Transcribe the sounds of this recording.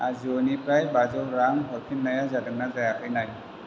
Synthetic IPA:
ad͡zonipɾajbad͡zowɾaŋɦɔɾkʰinːəjad͡zad̪əɡnad͡zajakajnaɦi

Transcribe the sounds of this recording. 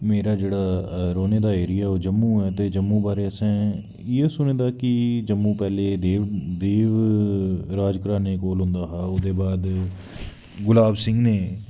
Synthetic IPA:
meːɾaːd͡ʒeːɽaːɾoːneːd̪aːeːɾɪjaːoːd͡ʒəmːũːɛːt̪eːd͡ʒəmːũːbaːɾeːəsɛ̃ː | esʊnẽːd̪aːkɪd͡ʒəmːũːpɛːleːd̪eːd̪eːʋ | ɾaːd͡ʒkɾãːneːkoːlɦʊ̃ːnd̪aːɦaːʊd̪eːbaːd̪ | ɡʊlaːbsɪ̃ŋɡneː

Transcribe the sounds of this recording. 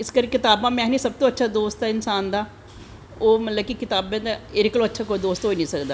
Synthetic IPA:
ɪskəɾkɪt̪aːbãːmɛ̃ːnĩːsəb̚t̪õːətːʃʰaːd̪oːst̪aːɪnsaːnd̪aː | oːmət̪ləb̚kikɪt̪aːbɛ̃ːd̪aeɾɪklõːətːʃʰaːkoːiːd̪oːst̪ɦoːinĩːsəkd̪aː

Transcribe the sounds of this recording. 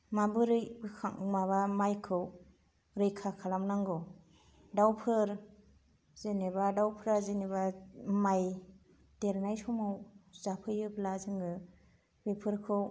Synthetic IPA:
mabɯɾɯjbɯkʰamaβamajkʰɯw | ɾɯjkʰakʰalamnaŋɡɔ | dawpʰɯɾ | zenebadawpʰɯɾazenebamaj | teɾnajsɔmawz̥apʰɯjɯblazɯŋɡɯ | bepʰɯɾkʰɯw

